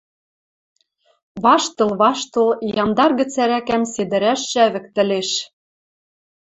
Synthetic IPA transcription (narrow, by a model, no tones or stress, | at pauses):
βɑʃt̪ɤ̆lˠβɑʃt̪ɤ̆lˠjɑnd̪ɑrɣɘ̆t͡sæɾækæmsed̪ɘ̆ɾæʃːæβɘ̆kt̪ɘ̆leʃ